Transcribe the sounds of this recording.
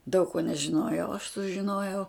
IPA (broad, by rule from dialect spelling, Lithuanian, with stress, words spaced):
dɐʊk koː nʲɛʒʲɪˈnoːjɛʊ ɐʃ sʊʒʲɪˈnoːjɛʊ